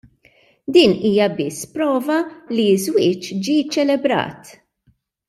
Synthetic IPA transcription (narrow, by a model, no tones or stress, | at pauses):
d̪iːniːjɐbɪsːpɾɔːvɐlizwɪːt͡ʃd͡ʒit͡ʃːɛlɛbɾɐ̰ːt̪